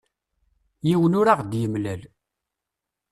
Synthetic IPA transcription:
jiwənʊɾaʁd̪jəmlæl

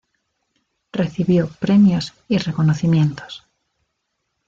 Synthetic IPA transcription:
reθiβjopɾemjos | irekonoθimjẽnt̪o̥s

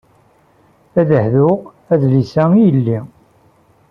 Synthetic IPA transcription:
æðəhðʊʁ | æðlisæijəlːi

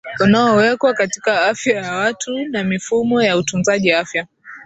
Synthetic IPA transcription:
anaɔwɛkwakatikaafjajawatʰunamifumɔjautunzaʄiafja

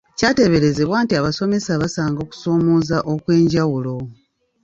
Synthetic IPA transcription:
caːte̞βe̞ɾe̞zeβwaːntiaβaso̞me̞saβasaːŋɡo̞ːku̥so̞ːmoːzaʔo̞kwe̞ːɲɟawulo̞

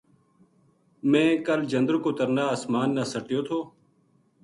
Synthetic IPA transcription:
mẽːkəld͡ʒənd̪ɾkoːt̪əɾnaːəsmaːnːaːsəʈɪjoːt̪ʰoː

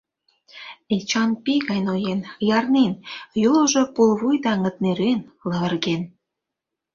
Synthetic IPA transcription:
et͡ɕɑnpiɣɑjnojenjɑrnenjuloʒɤpulβujd̪ɑŋə̆t̪̚neɾenləβə̆rɣen

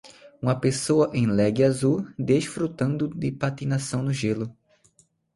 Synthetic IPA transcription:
ũmɐpesoɐʔẽj̃lɛɡɪazud̪eʃfɾut̪ɐ̃nd̪ʊd̪ɪpat̪inasɐ̃w̃nʊʒelʊ

